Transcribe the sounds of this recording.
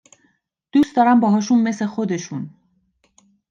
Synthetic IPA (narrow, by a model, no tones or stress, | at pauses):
d̪̥uːst̪d̪ɒːɾæmbɒːɦɒːʃunme̞slexod̪e̞ʃun